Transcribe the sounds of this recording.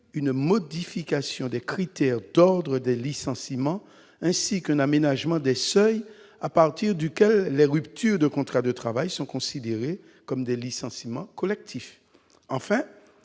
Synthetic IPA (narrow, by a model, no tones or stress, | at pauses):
ynmɔd̪ifikasjɔ̃d̪ɛkχit̪ɛʁd̪ɔʁd̪ʁəd̪ɛlisɑ̃simɑ̃ | ɛ̃sikɛ̃namenaʒmɑ̃d̪ɛsœj | apaʁt̪iʁd̪ykʲɛlːɛʁypt̪ʰyʁd̪əkɔ̃t̪χad̪ət̪χavajsɔ̃kɔ̃sid̪eʁe | kɔmd̪ɛlisɑ̃simɑ̃kɔlɛk̚t̪ʰif | ɑ̃fɛ̃